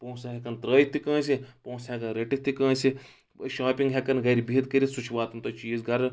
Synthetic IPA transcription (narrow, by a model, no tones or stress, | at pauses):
poːsɐɦʲekɐnt̪ɾəːjit̪ːikə̃ːsipõːwsɦʲekɐnɾeʈit̪ːikə̃ːsi | ʃaːpʲiŋɡɦʲekɐnɡɐɾibiːt̪̚kɐɾisut͡ʃʰiʋaːt̪ɐmt̪ɐt͡ʃiːzɡɐɾ